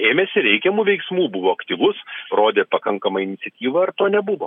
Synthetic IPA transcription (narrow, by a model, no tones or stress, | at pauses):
eːmʲesʲɪɾʲɛɪkʲɛmuːʋʲɛɪksmuːbʊʋoːɐkt̪ʲiːʋʊsroːd̪ʲeːpɐkɐŋkɐmɐɪnʲɪt̪sʲɛt̪ʲiːʋɐɐrt̪oːnʲɛbʊʋo̰ː